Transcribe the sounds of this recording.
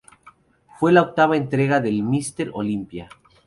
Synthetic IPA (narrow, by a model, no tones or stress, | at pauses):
fwe̞laok̚t̪aβaent̪ɾe̞ɣaðe̞lmist̪e̞ɾo̰limpja